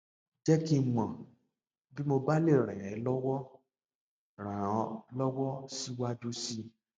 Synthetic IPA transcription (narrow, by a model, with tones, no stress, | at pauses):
d͡ʒɛ˦ki˦˨mã˨ | bi˦mo˧ba˦le˦˨ɾ̃ɛ̃˨ɾ̃ɛ̃˨˦lɔ˦wɔ˦ | ɾ̃ã˨˦lɔ˦wɔ˦si˦wa˦du˦si˦